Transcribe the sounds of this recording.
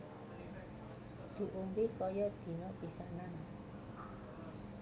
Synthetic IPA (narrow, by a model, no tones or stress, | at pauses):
d̪̥i̤ʔumbikɔjɔd̪̥i̤nɔpisaʔnan